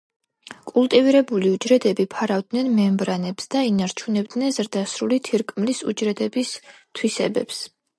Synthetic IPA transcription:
kʼulˠt̪ʼiviɾɛbuliud͡ʒɾɛd̪ɛbipʰaɾavd̪nɛnmɛmbɾanɛpsd̪̥ainaɾt͡ʃʰunɛbd̪nɛnzɾd̪asɾulit̪ʰiɾkʼmlisṵd͡ʒɾɛd̪ɛbis | t̪ʰwisɛ̰bɛ̰ps

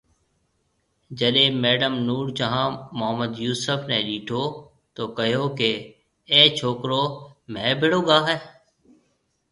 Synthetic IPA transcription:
d͡ʒəɗeːmɛːɖəmnuːɽd͡ʒəɦãːmʊɦəməd̪juːsəfʰneːɗiːʈʰoː | t̪oːkəɦjoːkeː | t͡ʃʰoːkɾoːmɛ̃ːbʱɪɽoːɡaːɦɛː

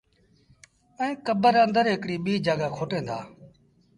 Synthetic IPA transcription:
ə̃ːkəbəɾənd̪əɾɦɪkɽiːɓiːd͡ʒaːɠaːkʰoːʈẽːnd̪a̰ː

